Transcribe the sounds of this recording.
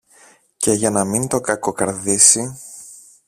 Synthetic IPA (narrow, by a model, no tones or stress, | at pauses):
ce̞ʝɐnɐmint̪o̞kɐko̞kɐɾðisi